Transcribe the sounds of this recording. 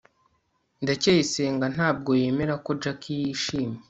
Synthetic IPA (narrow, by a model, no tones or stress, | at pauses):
ndacejiseːŋɡan̥haːb̚ɡo̞je̞ːme̞ɾako̞d͡ʒakʰijiʃiːme